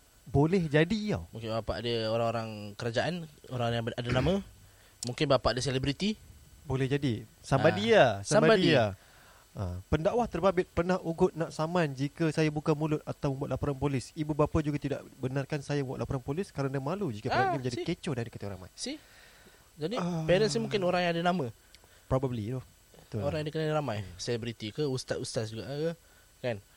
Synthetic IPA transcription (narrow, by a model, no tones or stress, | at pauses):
bolɛhd͡ʒadia̰wmũŋkɪnbapa̰ʔdəoɾaŋoɾaŋkəɾad͡ʒaʔanoɾaŋajaadanamã | muŋkɪnbapaʔadəselebɾit̪i | bolɛhd͡ʒadisambadiasaambabadia | əpəndawaht̪ərbabɪt̪̚pərnahuɡʊt̪̚naʔsamand͡ʒikəsajabukamulʊt̪̚at̪awməmbuaʔ̪lapoɾanpolɪsibubapad͡ʒuɡat̪ida̰ʔbənarkansajaməmbuat̪ʔ̚lapoɾanpolɪskaɾəndamalud͡ʒikaanimə̃ɲd͡ʒadiket͡ʃɔdandikət̪aɾa̰ma̰jsi | d͡ʒadipɛɾɛnsimũŋkɪnoɾaŋjaŋadanamã | pɾobəblidɔh | t̪ʊoɾaŋjãdikənaliɾamajselɛbɾit̪ikəust̪at̪ust̪atd͡ʒuɡaʔkə | kan